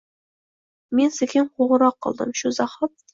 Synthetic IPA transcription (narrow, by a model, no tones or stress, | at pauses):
mensɪkʲʰɪnqʰoʁəɾɑqʰːə̰lˠd̪ɪ̰mʃuzɑχɑt̪̚